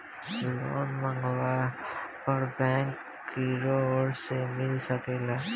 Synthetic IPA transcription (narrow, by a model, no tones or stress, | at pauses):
lo̰ːnməŋɡwapəɾbɛ̃ːŋkː | iɾooːɾsemɪlsəkeːla